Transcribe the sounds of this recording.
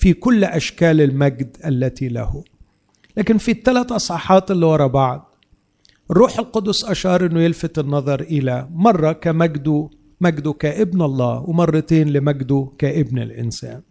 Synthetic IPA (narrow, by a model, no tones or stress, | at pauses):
fikʊlːʔaʃkæːlɪlmæɡd̪ʔalːæt̪ila̰hʊ | læːkɪnfit̪ːælæt̪ʔɑsˤʕɑħɑːt̪ʔɪlːiwɑɾˤɑbɑʕd̪̚ | ʔɪrːuːħɪlqʊd̪ʊsˤʔaʃɑːɾˤʔɪnːʊjɪlfat̪ɪnːɑðˤɑɾˤʔɪlæmɑrˤːɑkamaɡd̪u | mæɡd̪ukæːʔɪbnɑlˤːɑ̰ːwɪmɑrˤːɑt̪eːnlɪmæɡd̪ukæːʔɪbna̰lʔɪ̰nsæ̰ːn